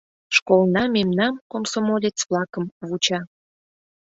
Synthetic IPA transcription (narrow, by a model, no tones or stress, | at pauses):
ʃkolnɑmemnɑmkomsomolʲet͡sβlɑkəmβut͡ɕɑ